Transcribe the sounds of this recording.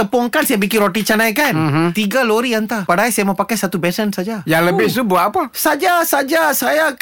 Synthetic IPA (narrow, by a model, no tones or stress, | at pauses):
t̪əpɔŋkansajabikinɾoʈit͡ʃanajkanmt̪iɡaloɾiant̪apadaɦajsajamapakajsat̪ubɛsənsad͡ʒajaŋləbɪhst̪ubuaʔapasad͡ʒasad͡ʒasaja